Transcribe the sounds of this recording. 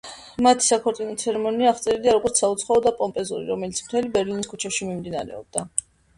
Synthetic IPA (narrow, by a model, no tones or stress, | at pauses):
mat̪ʰi̥sakʰɔɾt̪ʼinɔt̪sʰɛɾɛmɔniaːχt̪sʼɛɾid̪iaɾɔɡʼɔɾt̪saut̪sʰχɔɔd̪apʼɔmpʼɛzṵɾḭɾɔmɛlit̪sʰmt̪ʰɛlibɛɾliniskʰut͡ʃʰɛʃimimd̪inaɾɛ̰ɔ̰b̚d̪a